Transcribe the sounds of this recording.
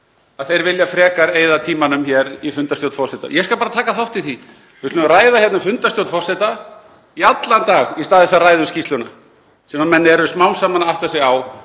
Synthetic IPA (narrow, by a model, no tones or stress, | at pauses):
aðθejɾvɪljafɾɛːkaɾeːjðat̪ʰiːmanʏmçɛɾifʏnt̪ast̪jowt̪fɔr̥sɛt̪a̰jɛskalpaːɾat̪ʰaːkaθawht̪ːɪθi | vɪt̪ʏɾraːjðaçjɛt̪nʏfʏnt̪ast̪jowt̪fɔr̥sɛt̪a | iat̪lant̪aːɣist̪aːɛsːarajðʏscist̪lʏna | sɛmamɛnːɛɾʏsmawnsaːmanaawht̪asɛaw